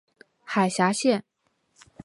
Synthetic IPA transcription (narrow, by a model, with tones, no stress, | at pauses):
xa˨˩ɪɕja˧˥ɕjɛ˥˩n